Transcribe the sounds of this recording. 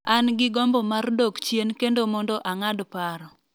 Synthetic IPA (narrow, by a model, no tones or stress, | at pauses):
anɡɪɡɔmbɔmardokt͡ʃjenkendomɔndɔʔaŋadpaɾɔ